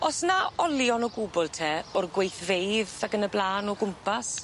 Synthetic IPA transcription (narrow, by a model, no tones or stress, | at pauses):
ɔsnaɔljɔnɔɡubɔlˠtʰeːɔrɡwejθvejðaɡənəblˠaːnɔɡʊmpʰas